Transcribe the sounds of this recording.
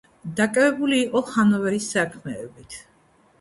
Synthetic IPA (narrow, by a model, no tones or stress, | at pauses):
d̪akʼavɛbuliːqʼɔχanɔvɛɾisakʰmɛːbit̪ʰ